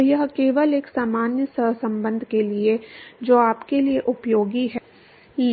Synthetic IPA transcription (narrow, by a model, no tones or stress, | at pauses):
jɐɦkeːʋəleːksaːmaːnjəsəɦsɐ̃mbə̃nd̪ʱkelied͡ʒoːaːpkelieʔʊpjoːɡiɦɛ